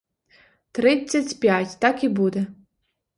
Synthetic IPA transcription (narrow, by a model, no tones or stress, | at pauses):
t̪ɾɪt͡sʲːɐtʲpʲjatʲt̪akibud̪ɛ